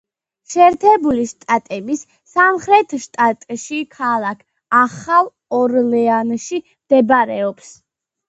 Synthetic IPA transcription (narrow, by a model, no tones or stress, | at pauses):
ʃɛːɾt̪ʰɛbuliʃt̪ʼat̪ʼɛbisː | amχɾɛt̪ʰʃt̪ʼat̪ʼʃikʰalˠakʰ | aχalˠ | ɔɾlɛanʃimd̪̥ɛbaɾɛɔps